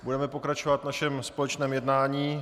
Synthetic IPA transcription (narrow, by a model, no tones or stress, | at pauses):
budɛmɛpo̞kɾat͡ʃovat̪vnaʃɛmspo̞lɛt͡ʃnɛːmjɛdnaːɲiː